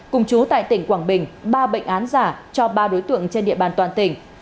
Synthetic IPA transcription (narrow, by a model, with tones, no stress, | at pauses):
kʊ˨˩ŋ͡mt͡ɕu˨˦t̪a̰ː˧˨jt̪ï˧˩ŋkwaː˧˩ŋɓï˨˩ŋ̟ɓaː˧ɓə̰˧˨jŋ̟ʔaː˨˦nzaː˧˩t͡ɕɔ˧ɓaː˧ɗo˨˦jt̪ɨ̰˧˨əŋt͡ɕe˧nɗḭ˧˨əɓaː˨˩nt̪waː˨˩nt̪ï˧˩ŋ̟